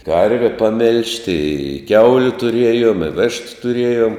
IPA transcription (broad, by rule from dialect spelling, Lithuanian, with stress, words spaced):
ˈkɐrʲʋʲɛ pɐˈmʲɪlʲʃʲtʲɪ ɪ ˈkʲɛʊlʲʊ tʊˈrʲiɛjoːm ɪ ˈʋʲɪʃtʊ tʊˈrʲiɛjoːm